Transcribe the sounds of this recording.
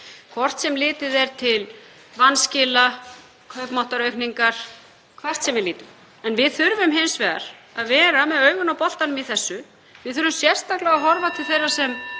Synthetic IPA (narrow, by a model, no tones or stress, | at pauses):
kʰvɔr̥t̪sɛmlɪːt̪ɪðɛɾ̥t̪ʰɪl | vanscɪːla | kʰœɥpmawht̪aɾœɥkniŋkaɾ̥ | kʰvɛr̥t̪sɛmvɪðliːt̪ʏm | ɛnvɪðθʏɾvʏmɦejnsvɛːða̰ɾ̥aðvɛːɾamɛðœːɥɣʏnawpɔl̥t̪anʏmiθɛsːʏ | vɪðθʏɾvʏmsjɛr̥st̪aklaɣaɦɔɾvat̪ʰɪlθejɾaɾ̥sɛm